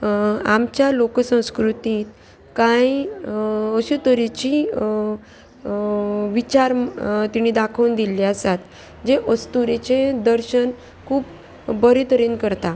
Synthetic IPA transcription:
amt͡ɕjaloksə̃w̃skɾut̪iːt̪ | kaj | əɕut̪əɾit͡ɕi | ʋit͡ɕaɾt̪iɽ̃id̪akʰəwnd̪ilːiasat̪ | d͡ʑeʔəst̪uɾet͡ɕed̪əɾɕən | kʰuːp | bəɾit̪əɾinkəɾt̪a

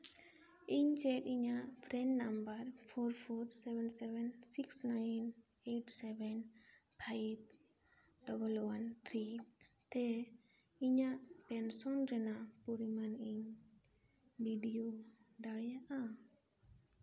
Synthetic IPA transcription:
iɲt͡ʃɛt̪iɲapʰɾɛnnambaɾpʰɔɾpʰɔɾsɛbɛnsɛbɛnsiksnajn | eʈsɛbɛnpʰajb̚ | ɖɔbəlwant̪ʰɾit̪ɛ | iɲaʔpɛnsɔnɾɛnapuɾimaniɲ | biɖijodaɽɛjaʔa

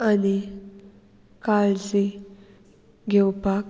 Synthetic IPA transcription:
ani | kalt͡si | ɡʱɛwpak

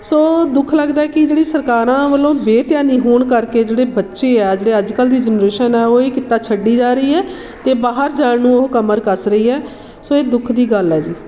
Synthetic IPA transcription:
soːd̪ʊkʰləɡd̪aːɛːkɪd͡ʒeːɽiːsəɾkaːɾãːʋəlõːbeːt̪ɪjãːniːɦoːɳkəɾkeːd͡ʒeːɽeːbətːʃeːɛːd͡ʒeːɽeːəd͡ʒkəld̪iːd͡ʒənɾeːʃənɛːoːiːkɪt̪aːt͡ʃʰəɖːiːd͡ʒaːɾəiːɛː | t̪eːbaːɦəɾd͡ʒaːɳnũːokəməɾkəɾsɾəiːɛː | soːeːd̪ʊkʰd̪iːɡəlɦɛːd͡ʒiː

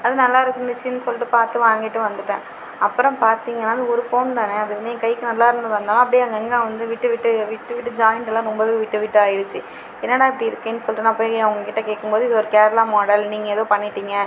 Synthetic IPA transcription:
ɐðɯnɐlːaːɪɾɯkːɯnd̪ɯt͡ʃːɯnːɯsɔlːɪʈːɯpaːɾt̪ɯʋaːŋɡɪʈːɯʋɐnd̪ɯʈːḛ̃ː | ɐpːɯɾɔ̃mpaːɾt̪iːŋɡɐnːaːɐðɯɔɾɯfoːnt̪aːneɐðɯʋɐnd̪ɯɛ̃ːkɐɪkɯnɐlːaːɪɾɯnd̪ɯʋɐnd̪alãɐp̬ːɐɽijaɐŋɡɐɛŋɡãːʋɐnd̪ɯʋɪʈːɯʋɪʈːɯʋɪʈːɯʋɪʈːɯd͡ʒaːjɪɳʈɛlːãːnʊmbɐðɯɯʋɪʈːɯʋɪʈːɯaːjɪɽɯt͡ʃːɯ | ɛnːɐːɽaːɐpɐɽɪɪɾɯkːẽːnːɯsɔlːɪʈːɯnãːpoːjɐʋɐŋɡɐkɪʈːɐkeːʈkːɯmboːðɯɪðɔɾɯkeːɾlaːmɔːɽɐlniːŋɡɐɛðoːpɐɳːɪʈːiːŋɡɐ

